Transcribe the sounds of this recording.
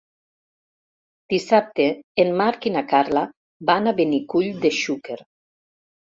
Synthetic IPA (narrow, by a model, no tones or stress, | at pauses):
d̪̥isap̚t̪eːnmaɾkinakaɾla | banaβenikuʎd̪eʃukeɾ